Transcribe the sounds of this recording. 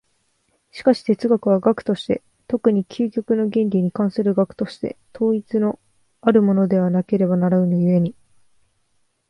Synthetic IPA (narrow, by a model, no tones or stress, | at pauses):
ɕi̥kaɕi̥t̪e̞t͡sɨɡakɯ̟β̞aɡakɯ̟̥t̪o̞ɕi̥t̪e̞̰ | t̪okɯ̟ɲ̟ikʲʰɨːkʲo̞kɯ̟no̞ɡẽ̞nɾʲiɲ̟ikãɰ̃sɨɾɯ̟ɡakɯ̟̥t̪o̞ɕi̥t̪e̞̰t̪ʰo̞ːit͡sɨno̞ | aɾɯ̟mo̞no̞d̪e̞β̞anake̞ɾe̞banaɾaɯ̟nojɯ̟e̞ɲ̟i